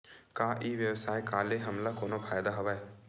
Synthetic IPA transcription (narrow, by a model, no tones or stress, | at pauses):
kaːʔiːʋjəwsaːekaːleɦɐmlakoːnopʰaːjd̪aɦɐʋae